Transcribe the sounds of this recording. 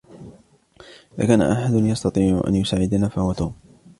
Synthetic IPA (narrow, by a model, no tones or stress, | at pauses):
la̰kaːna̰ʔaħad̪ʊnjɑst̪ɑt̪ˤiːʕʊ̰ʔa̰njʊsaːʕɪd̪anaːfahʊwat̪uːm